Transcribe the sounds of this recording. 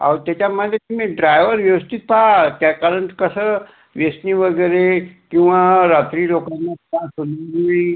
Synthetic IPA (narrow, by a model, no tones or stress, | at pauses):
a̰wɾt̪jat͡ɕamad̪ʱjet̪imĩɖɾajʋəɾʋjɐʋəst̪it̪pʰat̪jakaɾəɳkəsə | ʋjesniʋəɡəɾekĩw̃ʋaɾat̪ɾiːlokanːãtasonuɡii